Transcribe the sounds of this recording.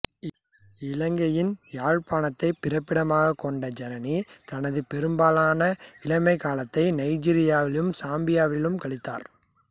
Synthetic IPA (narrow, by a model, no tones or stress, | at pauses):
ɪlɐŋɡɐjɪnjaːɻpaːnɐt̪ːɐɪpːɪɾɐpːɪɽɐmaːɣɐkːɔɳɖɐd͡ʒɛnɐnit̪ɐnɐðɯpɛɾɯmbaːlaːnɐɪlɐmɐɪkaːlɐt̪ːɐɪnɐɪd͡ʒiːɾɪjaːʋɪlɯmsaːmbɪjaːʋɪlɯmkɐɭɪt̪ːa̰ːɾ